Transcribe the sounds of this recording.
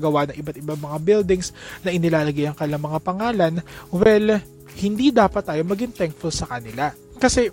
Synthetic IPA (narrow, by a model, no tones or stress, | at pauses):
ɡɐwanɐŋʔɪbat̪̚ɪbaŋmɐŋabɪld̪ɪŋsnɐʔɪnɪlaːlɐɡɪjɐŋkɐnɪlaŋmɐŋapɐŋaːlɐnwɛl | hɪnd̪id̪aːpɐt̪̚ːaːjo̞mɐɡɪŋt̪ɛŋk̚fʊlsɐkɐnɪla | kɐsɛ